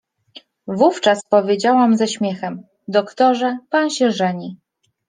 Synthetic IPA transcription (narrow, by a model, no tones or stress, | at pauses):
vuft͡ʂaspɔvʲjed͡ʑawamzaɕmʲjɛxɛm | d̪ɔkt̪ɔʐɛpanɕɛʐɛɲi